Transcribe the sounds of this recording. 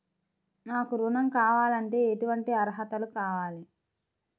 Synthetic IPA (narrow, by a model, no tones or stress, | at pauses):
naːkuɾunɐmkaːʋaːlɐɳʈeːeʈuʋɐɳʈiɐɾɦɐt̪ɐlukaːʋaːli